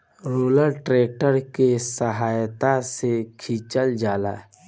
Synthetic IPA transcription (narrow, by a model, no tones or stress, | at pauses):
ɾuːləlʈɾeːk̚ʈəɾkesəɦaːjt̪asekʰiːt͡ʃəld͡ʒaːla̰ː